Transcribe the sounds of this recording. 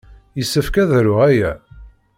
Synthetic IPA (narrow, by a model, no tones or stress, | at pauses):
jəsːəfkæðɾʊʁæjæ